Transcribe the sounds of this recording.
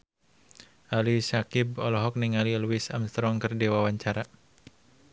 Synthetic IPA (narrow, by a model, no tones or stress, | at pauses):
ʔalisakɪbɔlɔɦɔk̚niŋaliluwɪsa̰mst̪ɾɔŋkɨrdewawaɲt͡ʃaɾa